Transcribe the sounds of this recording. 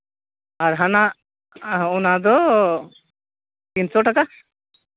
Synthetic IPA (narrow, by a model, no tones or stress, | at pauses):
aɾɦana | ɔnad̪ɔ | kinsɔʈaka